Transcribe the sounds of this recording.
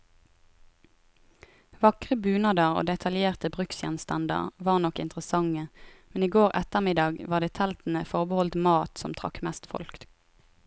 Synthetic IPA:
ʋɑkʁəbʉːnɑd̪əʁo̰ːd̪ɛt̪ʰɑljeːʁt̪əbʁʉksjɛnst̪ɑnd̪ə̰ʁʋɑːʁnɔkɪnt̪ʁəsɑŋəmɛniːɡoːʁɛt̪əmɪd̪ɑːɡʋɑːʁd̪eːt̪ʰɛlt̪n̩əfɔʁbəhɔlt̪mɑːt̪sɔmt̪ʰʁɑ̰kmɛst̪fɔ̰lkt̪

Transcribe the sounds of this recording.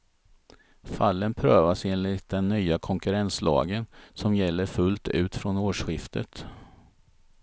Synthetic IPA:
falːənpʰɾøːvaseːnlɪt̪̚d̪ɛnːyːakʰɔŋkɵɾɛnslɑ̰ːɡənsɔmjɛlːəɾfɵlt̪ʉ̟ːt̪fɾɔnoːʂɧɪft̪ʰə̰t̪

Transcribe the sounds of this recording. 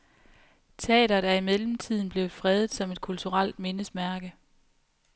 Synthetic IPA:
t͡sʰɛ̰ːɾɐd̥ɑɐimelm̩t͡sʰið̰ˠn̩b̥le̝ʊfʁɛð̞ˠð̩ˠsɒ̽me̝d̥̚kʰult͡sʰuʁal̰d̥me̝nəsmæɐɡ̥ə

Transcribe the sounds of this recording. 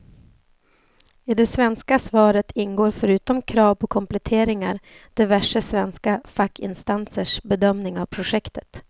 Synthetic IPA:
ɪd̪ɛsvɛnskasvɑːɾət̪ʰɪnɡoːɾfœɾʉ̟ːt̪ɔmkʰɾɑːvpʰɔkʰɔmplɛt̪ʰeːɾɪŋaɾd̪̥ɛvæʂəsvɛnskafakʰːɪ̰nst̪ansəʂbɛd̪œmnɪŋavpʰɾʊʂɛkt̪ʰə̥t̪

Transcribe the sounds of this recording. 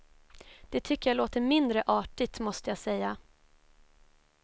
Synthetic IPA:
d̪̥ɛt̪ʰʏkːəɾjaloːt̪əɾmɪnd̪ɾəʔɑːʈɪt̪mɔst̪əjasɛjːa

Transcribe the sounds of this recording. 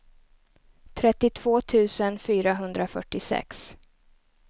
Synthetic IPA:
t̪ʰɾɛt̪ːɪt̪ʰv̥oːt̪ʰʉ̟ːsənfyːɾaɦɵnd̪ɾafœʈːɪsɛ̰ks

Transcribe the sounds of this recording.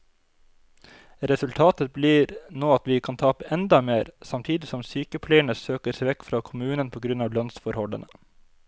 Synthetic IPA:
ɾɛsʉlt̪ʰɑːt̪əbliːɾnoːɑt̪ʋɪːkʰɑnt̪ʰɑːpəɛnd̪ɑmeːɾsɑmt̪ʰiːd̪ɪsɔmsyːkəpʰlɛɪəɳəsøːkəsɛɪʋɛkːfɾɑːkʰʊmʉːnənpʰoːɡɾʉnɑːʋlœnsfɔɾhɔlə̰nə

